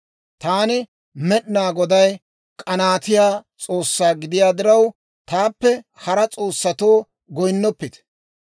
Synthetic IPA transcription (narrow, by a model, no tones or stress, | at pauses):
t̪aːnɪ | mɛɗɪnaːɡɔd̪ɐj | kʼɐnaːt̪ɪjaːt͡sʼo̞ːsːaːɡɪd̪ɪjaːd̪ɪɾɐw | t̪aːpːɛhɐɾɐt͡sʼo̞ːsːɐt̪o̞ː | ɡɔjnːɔpːɪt̪